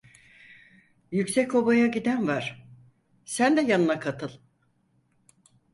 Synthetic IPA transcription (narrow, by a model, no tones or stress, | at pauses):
jycsɛco̞bajaɟid̪ænvaɾ̥ | sænd̪ɛjanɯnakʰat̪ʰɯlˠ